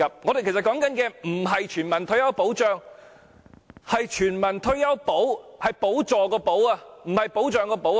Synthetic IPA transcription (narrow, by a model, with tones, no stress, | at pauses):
ɐ˨p̚ŋɔː˨˧d̪e˨jke˨˩stkɔː˨˥ŋkɐ˨˥nkɛː˧m̩˨˩ɦɐ˨jt͡ʃʰyː˨˩nmɐ˨˩nt̪ʰɵ˥ɥjɐ˥wpo˨˥wt͡ʃœː˨ŋ | hɐ˨jt͡ʃʰyː˨˩nmɐ˨˩nt̪ʰɵ˥ɥjɐ˥wpo˨˥whɐ˨jpo˨˥wt͡sɔː˨kɔː˧po˨˥waː˧m̩˨˩hɐ˨jpo˨˥wt͡ʃœː˨ŋkɔː˧po˨˥w